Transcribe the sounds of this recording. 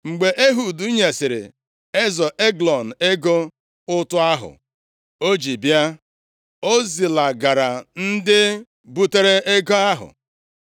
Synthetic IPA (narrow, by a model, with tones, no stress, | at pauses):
ŋ͡m̩˨ɡ͡be˨ʔe˦ɦu˨du˦ɲe˨sɪ˨ɾɪ̰˨ | e˦zɔ˨ʔe˦ɡlɔ˨n̩˨e˦ɡo˦ | ʊ˦tʊ˦a˦ɦʊ̰˨ | o˦d͡ʒi˨bja˦ | o˦zi˨la˨ɡa˨ɾa˨n̩˦dɪ˦ | bu˦te˦ɾe˦e˦ɡo˦a˦ɦʊ̰˨